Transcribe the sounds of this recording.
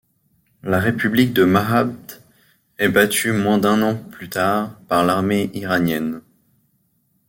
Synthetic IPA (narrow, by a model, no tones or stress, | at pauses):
laʁepyblik̚d̪əmaɦabd̪ | ɛbat̪ʰymwɛ̃d̪ɛ̃nɑ̃plyt̪aʁpaʁlaʁmeʔiʁanjɛn